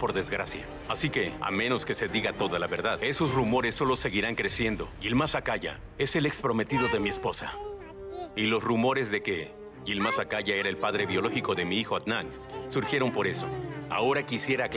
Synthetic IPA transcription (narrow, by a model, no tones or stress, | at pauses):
po̞ɾðezɣɾasja̰ | asike̞a̰mẽ̞no̞ske̞se̞ðiɣat̪o̞ðalaβe̞ɾðaðe̞so̞srumo̞ɾe̞sːo̞lo̞se̞ɣiɾaŋkɾe̞sje̞nd̪o̞̰ʝilmasakaʝa̰ | e̞se̞le̞kspɾo̞me̞t̪iðo̞ðe̞mie̞spo̞sa̰ | ilo̞srumo̞ɾe̞zðe̞ke̞ | ʝilmasakaʝae̞ɾae̞lpaðɾe̞βjo̞lo̞xiko̞ðe̞miixo̞at̪naŋ | suɾxje̞ɾo̞mpo̞ɾe̞so̞̰a̰o̞ɾakisje̞ɾak